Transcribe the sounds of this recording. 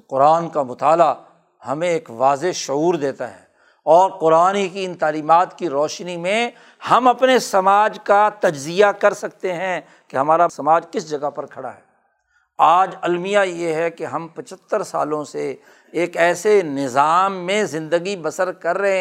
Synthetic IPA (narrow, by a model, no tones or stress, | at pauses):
qʊɾaːnkamʊt̪aːla | hɐmẽeːkʋaːzeʃʊuːɾd̪eːt̪a̰ɦɛ̰ː | ɔːɾqʊɾaːnikiɪnt̪aːliːmaːt̪kiɾɔːʃnimẽ | hɐmɐpnesɐmaːd͡ʒkat̪ɐd͡ʒzijakɐɾsɐk̚t̪eɦɛ̃ | keɦɐmaːɾasɐmaːd͡ʒkɪsd͡ʒɐɡapɐɾkʰɐɽa̰ɦɛː | aːd͡ʒɐlmijajeɦɛkeɦɐ̃mpɐt͡ʃʰət̪ːəɾsa̰ːlõseː | kɛːsenɪzaːmːẽzɪ̃nd̪əɡibɐsəɾkɐɾːɐɦẽ